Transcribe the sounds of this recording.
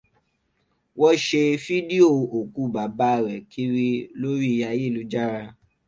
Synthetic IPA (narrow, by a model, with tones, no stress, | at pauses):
wɔ˦ʃe˧fi˦di˦o˦o˨ku˨˦ba˨ba˨˦ɾɛ˨kʰi˦ɾi˧lo˦ɾi˦i˧ja˧je˦˨lu˨˦d͡ʒa˦˨ɾa˧